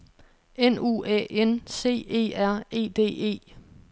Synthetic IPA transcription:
enṵːɛ̰ʔense̝̰ːe̝̰ːæɐ̰e̝̰ːd̥e̝̰ːe̝̰ː

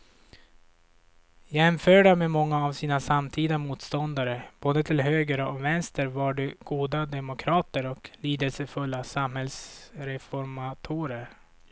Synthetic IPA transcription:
jɛmfœːɖameːmɔŋːaːvsiːnasamt̪ʰiːd̪amuːt̪st̪ɔnd̪aɾəb̥oːd̪ət̪ʰɪlɦøːɡɾəɔvɛnst̪əɾvaɖɛɡ̥uːd̪ad̪ɛmʊkʰɾɑːt̪əɾɔkliːd̪əlsəfɵlːasamhɛlsɾɛfɔɾmat̪ʰuːɾəɾ

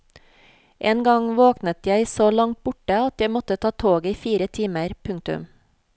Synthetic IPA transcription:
ʔeːnɡɑŋʋoːknət̪jæɪsoːlɑŋt̪̚b̥ʊʈəɑt̪jæɪmɔt̪ət̪ʰɑːt̪ʰoːɡiːfiːɾət̪ʰiːməɾpʰʉŋ̚t̪ʉ̰m

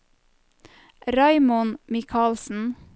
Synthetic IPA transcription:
ɾɑɪmʊnmɪkʰɑːlsn̩

